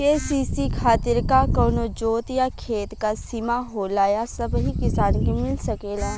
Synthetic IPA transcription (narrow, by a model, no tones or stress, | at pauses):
eːsiːsikʰaːt̪ɪɾkakɔːnod͡ʒoːt̪jakʰeːt̪kasimaɦoːlaːjasɐbɦikɪsaːnkimɪlsɐkeːlaː